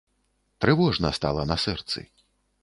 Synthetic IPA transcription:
t̪ɾɨvɔʐnɐst̪a̰lˠɐnɐsɛrt̪sɨ̰

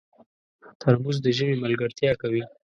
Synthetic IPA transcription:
t̪ʰaɾmuzd̪əʒəmiməlɡəɾt̪jɑkawi

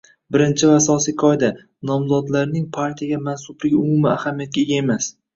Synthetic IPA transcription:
bɪɾɪnt͡ʃʰɪvaasɒsijkʰɒjd̪a | nɒmzɒd̪laɾnɪŋpʰaɾt̪ʰijaɡʲamansʊblɪɡʲʊmʊmɪahamijat̪̚ɡʲaeɡʲae̞mas

